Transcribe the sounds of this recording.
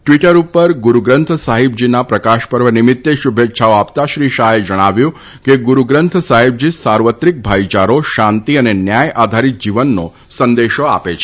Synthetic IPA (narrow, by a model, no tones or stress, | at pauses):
ʈʋiʈəɾupəɾɡuɾuɡɾənt̪ʰəsaɦib̚d͡ʒinapɾəkaʃpəɾʋənimɪt̪ːeʃubʱetːʃʰaoapt̪aʃɾiʃaɦed͡ʒəɽ̃aʋjũ | keɡuɾuɡɾənt̪ʰəsaɦib̚d͡ʒisaɾʋət̪ɾik̚bʱait͡ʃaɾoʃãnt̪iənenjajad̪ʱaɾit̪̚d͡ʒiʋənːo | sənd̪eʃoa̰pet͡ʃʰ